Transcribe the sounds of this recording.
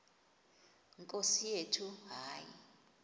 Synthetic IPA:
ŋkʼosijetʰuɦaːjḭ

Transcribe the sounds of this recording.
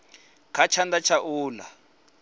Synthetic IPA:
kʰat͡ʃʰand̪at͡ʃʰaʔuːla̰

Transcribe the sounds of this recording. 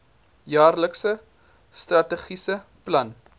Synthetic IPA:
jɑːrləksə | strɐtəχisəplɐn

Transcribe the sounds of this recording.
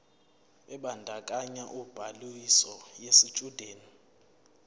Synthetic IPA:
ɛɓandʱakʼaɲaʔub̥ʱalisɔjesit͡ʃʼud̥ʱeːni

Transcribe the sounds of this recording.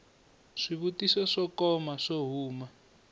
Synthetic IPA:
ʂiβutisɔʂɔkɔmaʂoɦuːma

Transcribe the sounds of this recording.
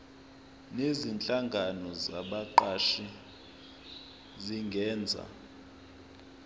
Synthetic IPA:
nezint͡ɬʼaŋɡʱanɔza̰ɓaǃaʃi | ziŋɡʱɛːnd͡zʱa̰

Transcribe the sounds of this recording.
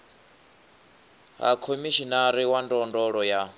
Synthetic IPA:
ɦa̰kʰomiʃinaɾiwandɔndɔɺɔja

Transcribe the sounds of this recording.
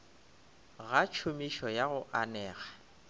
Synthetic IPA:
ɣat͡ʃʰʊmiʃɔjaɣʊʔanɛːɣa

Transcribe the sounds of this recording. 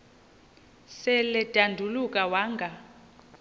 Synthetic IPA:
sɛlɛd̥ʱandʱulukʼawaːŋɡʱa

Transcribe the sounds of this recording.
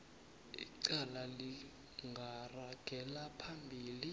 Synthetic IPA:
ḭǀalali | ŋɡʱaraɡ̥ʱɛlapʰambʱiːli

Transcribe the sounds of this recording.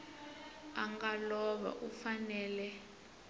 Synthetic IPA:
aŋɡalɔɓa̰ʔufanɛːlɛ

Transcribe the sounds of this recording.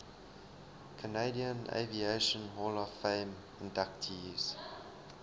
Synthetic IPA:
kʰəneɪdiə̃nḛvieɪʃə̃nɦɔlɔfẽɪm | ɪ̃ndak̚tʰiz̥

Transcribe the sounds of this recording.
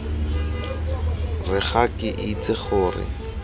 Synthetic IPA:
rɪχakʼɪʔit͡sʼɪχʊːrɪ̰

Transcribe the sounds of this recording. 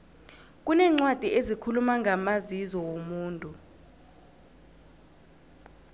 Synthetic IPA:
k̬ʼunɛːŋ͡ǀwad̥ʱiezikʰulumaŋʱamazizɔwomuːntʼu

